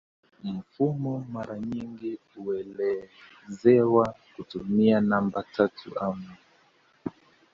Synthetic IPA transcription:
m̩fumɔmaɾaɲiŋɡi | uɛlɛ | zɛwakutumianambatʰatʰṵʔamu

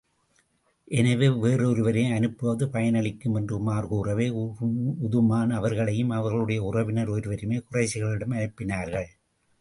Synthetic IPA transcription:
ʔɛnɐʋeːʋeːrɯɔɾɯʋɐɾeːɐnɯpːɐːðɯpɐjɐnɐɭɪkːɯmɛndrɯmaːrɣuːrɐʋeː | ʊðɯmaːnɐʋɐɾɣɐɭɐjɯmɐʋɐɾɣɐɭɯɽɐjɐʊrɐʋɪnɐɾɔɾɯʋɐɾɯmeːkʊrɐɪsɪɣɐɭɪɽɐmɐnɪpːɪnaːɾɣɐɭ

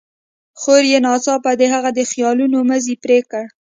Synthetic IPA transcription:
xoɾjenɑsɑpad̪əɦaɣad̪əxjɑlunoməzipɾekəɽ

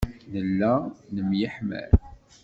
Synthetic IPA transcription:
nəlːænəmjəħmæ̰ɾ

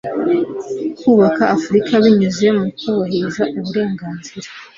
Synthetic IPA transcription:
kuːβakaʔːfuɾikʰaβiɲuzemuukʰoβoɦezaʔuβuɾe̞ːŋɡaːnziɾḁ

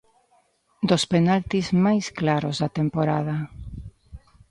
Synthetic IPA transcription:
d̪ospenalt̪izmajsklaɾozðat̪empoɾað̞a

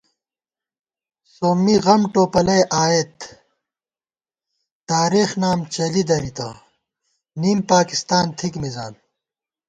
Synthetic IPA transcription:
soːmːiɣɐmʈoːpɐlɐjʔaːet̪ | t̪aːɾiːxnaːmt͡ɕɐlid̪ɐɾit̪a̰ː | niːmpaːkist̪aːnt̪ʰikmizaːn

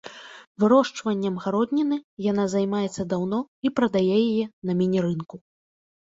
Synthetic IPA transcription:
vɨɾɔʂt͡ʂvɐnʲːɐmɣaɾɔd̪ʲnʲinɨjanazajmajɛt̪sːɐd̪awnɔipɾɐd̪ajɛjajɛnɐmʲinʲɛɾɨnku

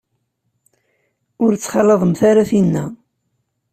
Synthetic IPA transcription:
ʊɾt͡sːχɑlːəðˤəmθaɾaθinːæ̰

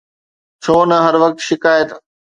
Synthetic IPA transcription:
t͡ɕʰoːnɐɦɐɾʋɐk̚t̪ʃɪkaːjət̪

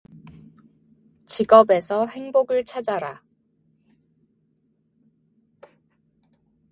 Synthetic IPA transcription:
t͡ɕiɡʌbe̞sʰʌhe̞ŋboɡɯɭt͡ɕʰad͡ʑaɾa

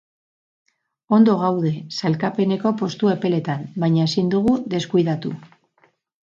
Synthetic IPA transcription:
o̞nd̪o̞ɣ̞awð̞e̞salkape̞ne̞ko̞po̞st̪ue̞pe̞le̞t̪ambajɲae̞sind̪uɣ̞uðe̞skujð̞at̪u

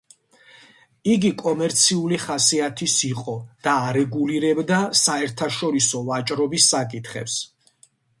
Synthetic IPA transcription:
iɡikʼɔmɛɾt̪sʰiuliχasiat̪ʰisiqʼɔd̪̥aːɾɛɡuliɾɛbd̪asaɛɾt̪ʰaʃɔɾisɔvat͡ʃʼɾɔbisːakʼit̪ʰχɛ̰ps

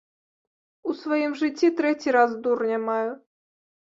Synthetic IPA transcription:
usvajimʐɨt͡sʲːit̪ɾɛt͡sʲiɾazd̪urnʲamaju

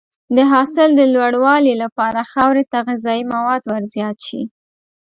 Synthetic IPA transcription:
d̪əɦɑsɪld̪əlwaɽwɑlilapɑɾaxawɾet̪aɣizɑjimawɑd̪waɾzjɑt̪ʃḭ

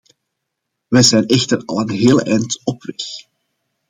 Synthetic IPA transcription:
ʋɛjzɛjnɛxtərɑ̰lˠənɦeːlˠɛjntɔpʋɛx

